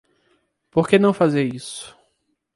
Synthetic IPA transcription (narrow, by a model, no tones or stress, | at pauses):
poɾkenɐ̃w̃fazeɾisʊ̥